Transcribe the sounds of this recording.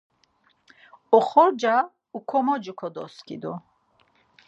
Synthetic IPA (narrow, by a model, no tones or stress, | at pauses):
ɔχɔɾd͡ʒa | ukʰɔmɔd͡ʒukʰɔd̪ɔ̰skʰḭd̪ɔ